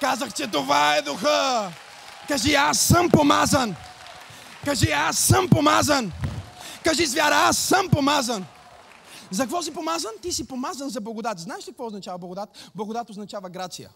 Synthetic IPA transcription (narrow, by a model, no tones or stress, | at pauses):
kazəxt͡ʃɛt̪ovaɛd̪ʊxə | kɐʒiasːəmpomazən | kɐʒiasːəmpomazən | kaʒizvʲjaɾəasːəmpomazən | zɐkvɔs̬ipomazənt̪isipomazənzɐblˠɐɡod̪at̪znaɛʃkɐk̚vɔoznɐt͡ʃavɐblˠɐɡod̪at̪blˠɐɡod̪at̪oznɐt͡ʃavəɡɾat̪sijə̰